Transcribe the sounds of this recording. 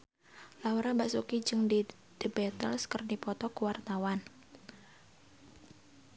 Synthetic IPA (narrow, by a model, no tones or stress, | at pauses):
lauɾabasukid͡ʒɨŋdi | d̥əbɛt̪ə̰lskərdipɔt̪ɔkuwart̪awan